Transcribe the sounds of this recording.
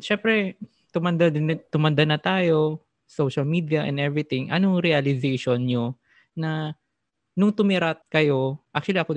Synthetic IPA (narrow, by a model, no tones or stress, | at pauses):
ʃɛmpɾɛ | t̪ʊmɐnd̪ad̪ɪnt̪ʊmɐnd̪anɐt̪aːjo̞ | sowʃɐlmiːd̪iɐʔɛ̰̃nd̪ʔɛvɾɪt̪ɪŋʔɐ̰noŋɾiɐlɪzeʃonɲo | nɐ | nʊŋt̪ʊmɪɾat̪̚kɐjo̞ʔak̚t͡ʃʊwɐliʔɐko